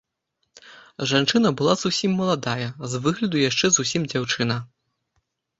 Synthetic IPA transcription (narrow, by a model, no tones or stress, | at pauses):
ʐant͡ʂɨnɐbɨlˠazusʲimːɐlˠad̪ajɐzvɨɣlʲɐd̪ujaʂt͡ʂɛzusʲimd͡zʲawt͡ʂɨnɐ